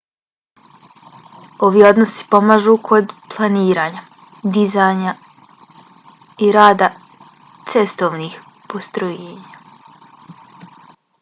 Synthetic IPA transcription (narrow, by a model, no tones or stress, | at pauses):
o̞ʋiːo̞d̪nosi̥po̞maːʒuːkʰo̞d̪plˠaniːɾaːɲa | d̪izaːɲa | iɾaːd̪a | t̪se̞st̪oʋniːx | po̞st̪ɾojeːɲa